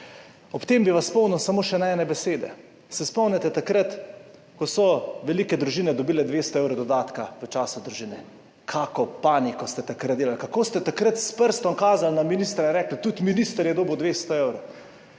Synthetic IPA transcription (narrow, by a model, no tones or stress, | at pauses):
ɔpt̪eːmbiʋasspɔwnɛwsamoːʃɛnaɛːnɛbɛseːd̪ɛ̰ | sɛspɔwnʲɛt̪ɛt̪akɾət̪ | kɔsɔʋɛlikɛd̪ɾuʒiːnɛd̪ɔbiːlɛd̪ʋeːst̪ɔewɾɔd̪ɔd̪aːt̪kaʋət͡ʃaːsud̪ɾuʒiːnɛ | kʰaːkɔpaːnikɔst̪ɛt̪akɾəd̪d̪eːlalkakoːst̪ɛt̪akɾət̪spəɾst̪ɔŋkaːzalnaminist̪ɾaɾɛːklt̪ut̪miniːst̪əɾjɛd̪oːbəwd̪ʋeːst̪ɔewɾo